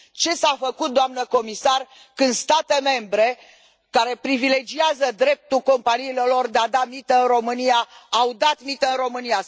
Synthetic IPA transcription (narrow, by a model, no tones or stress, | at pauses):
t͡ʃe̞safəkut̪̚d̪oamnəko̞misar | kɨnd̪st̪at̪e̞me̞mbɾe̞ | kaɾe̞pɾivile̞d͡ʒiazəd̪ɾe̞p̚t̪ulko̞mpaniːlelo̞rd̪ead̪amit̪əɨnro̞mɨnijaawd̪at̪mit̪əɨnro̞mɨnia